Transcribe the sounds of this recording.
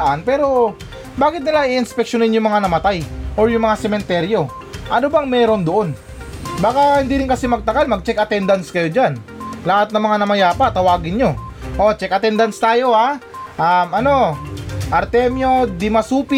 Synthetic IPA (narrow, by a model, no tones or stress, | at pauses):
ʔanpɛːɾo̞ | baːɡɪt̪nɪlaʔiʔɪnspɛk̚ʃonɪnjʊŋmɐŋanɐmɐt̪ajʔoɾjʊŋmɐŋasɛmɛnt̪ɛɾjo̞ | ʔɐnobɐŋmɛːɾo̞nd̪oʔo̞n | baːkahɪnd̪iːɾɪnkɐsɪmɐɡ̚t̪ɐkalmɐɡ̚t͡ʃɛkʔɐt̪ɛnd̪ɐnskɐjo̞d͡ʒan | lahat̪̚nɐŋmɐŋanɐmɐjaːpat̪ɐwaːɡɪnɲo̞ʔo̞t͡ʃɛkʔɐt̪ɛnd̪ɐnst̪aːjo̞ha | ʔɐmʔɐno̞ʔɐɾt̪ɛmjo̞d̪ɪmɐsuːpɪ